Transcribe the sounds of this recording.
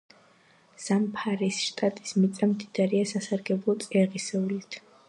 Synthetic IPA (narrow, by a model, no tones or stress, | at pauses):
z̥ampʰaɾisʃt̪ʼat̪ʼi̥smit̪sʼamd̪id̪̥aɾiasasaɾɡɛblˠɔt̪sʼɛʁisɛulit̪ʰ